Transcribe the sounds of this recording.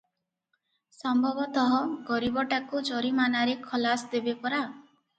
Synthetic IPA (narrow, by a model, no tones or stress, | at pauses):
sɔmbʱɔbɔt̪ɔɦɔɡɔɾibɔʈakud͡ʒɔɾimanaɾekʰɔlasd̪ebepɔɾa